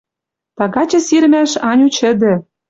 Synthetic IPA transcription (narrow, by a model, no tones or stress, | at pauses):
t̪ɑɣɑt͡ɕɤ̆siɾmæʃɑnʲut͡ɕɘ̆d̪ɘ̆